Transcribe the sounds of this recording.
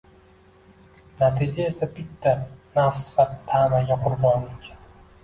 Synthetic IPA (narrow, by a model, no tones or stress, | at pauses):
nat̪ʰɪd͡ʒae̞sabɪt̪ʰːanafsɪ̥fat̪ʰːamaɡʲaqʰʊɾbɒnlɪkʲ